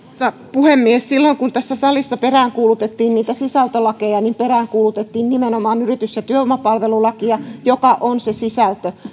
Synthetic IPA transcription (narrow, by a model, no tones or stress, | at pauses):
sɑ | puhemːiessilːoiŋkunt̪æsːæsɑlisːɑperæːŋkuːlut̪et̪ːiːnniːt̪æsisælt̪ølɑkejɑnimperæːŋkuːlut̪et̪ːiːnnimenomɑːnyrit̪ysjɑt̪yøomɑpɑlʋelulɑkiɑjokɑʔonsesisælt̪ø